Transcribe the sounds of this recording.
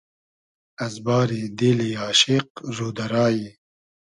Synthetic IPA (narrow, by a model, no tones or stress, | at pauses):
ɐzbɑːɾid̪eːliaːʃɪq̚zuːd̪ɐɾɑːji